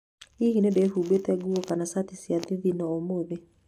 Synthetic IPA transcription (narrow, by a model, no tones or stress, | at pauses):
ihinebeːhuːbetɛɡuokanasatisjaðiðinɔomoðe